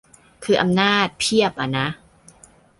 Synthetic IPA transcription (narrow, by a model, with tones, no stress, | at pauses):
kʰɯː˧ʔa˧mnaː˥˩t̪̚pʰi˥˩əp̚ʔa˨˩na˦˥ʔ